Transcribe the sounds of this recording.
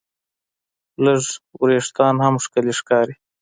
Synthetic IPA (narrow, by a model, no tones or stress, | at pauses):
ləʐwɾeːʂt̪ɑːnhamʂkəliʂkɑːɾi